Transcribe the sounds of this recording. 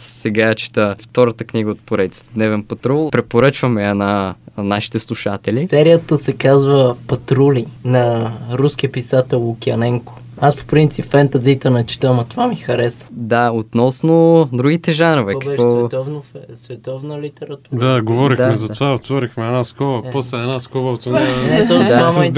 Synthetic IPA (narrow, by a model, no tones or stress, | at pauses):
sɛɡat͡ʃi̥t̪əft̪ɔɾət̪əkniɡəot̪̚poɾɛd̪it̪si̥t̪d̪nɛvɛnpɐt̪ɾulˠpɾɛpoɾət͡ʃvəmɛɛnanaʃi̥t̪ɛslˠuʃat̪ɛlisɛɾijət̪əsɛkazvəpɐt̪ɾulinɐɾuskiəpisat̪ɛlˠʊkʲiɐnɛŋko̥ | aspo̥pɾint̪sipfɛnt̪ɐzit̪ənɐt͡ʃi̥t̪amɐt̪ovamixɐɾɛsə̥d̪aot̪nɔsnod̪ɾuɡit̪ɛʒanɾəvɛɔkbɛʃɔsvɛt̪ɔvnofɛsvɛt̪ɔvnəlit̪ɛɾɐt̪uɾd̪aɡovɔɾixd̪ammɛzɐt̪ovaot̪vɔɾixmɛɛnaskɔbɐpɔslɛɛnaskɔbɐot̪ɛnanɛt̪oaa